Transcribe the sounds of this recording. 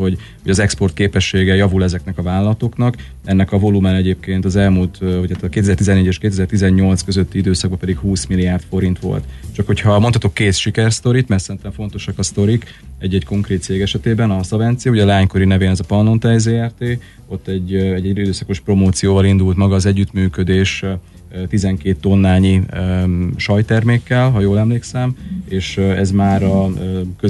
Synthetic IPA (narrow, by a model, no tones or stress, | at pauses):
ho̞ɟ | ho̞ɟɒzɛkspo̞rt̪̚keːpɛʃːeːɡɛjɒvulɛzɛknɛkɒvaːllɒt̪o̞knɒk | ɛnːɛkɒvo̞lumɛnɛɟeːp̚keːnt̪ɒzɛlmult̪hocʰat̪ɒkeːt̪ɛzɛrt̪izɛnːeːɟeːʃkeːt̪ɛzɛrt̪izɛɲːo̞lt̪skøzøt̪ːiid̪øːsɒɡbɒpɛd̪ikhuːsmilːijaːrt̪fo̞ɾint̪ʋo̞̰lt̪t͡ʃɒkho̞cʰhɒmo̞nɒt̪o̞kːeːt̪ʃikɛrst̪o̞ɾit̪mɛrt̪sɛɾint̪ɛɱfo̞n̪t̪o̞ʃɒkɒst̪o̞ɾik | ɛɟːɛcko̞ŋkɾeːt̪seːɡɛʃɛt̪eːbɛnɒsɒvɛnt̪sijuɟɛlɛaːɲko̞ɾinɛveːnɛzɒpɒnlo̞nt̪ɛzeːɛrt̪eː | o̞t̪ːɛɟːɛɟːɛid̪øːsɒko̞ʃpro̞moːt̪sijoːvɒlind̪ult̪mɒɡɒːzɛɟːyt̪myːkød̪eːʃ | t̪izɛŋkeːt̪ːo̞nːaːɲi | ʃɒjt̪ɛrmeːkːɛlɦɒjoːlɛmleːksɛmeːʃɛzmaːɾɒkø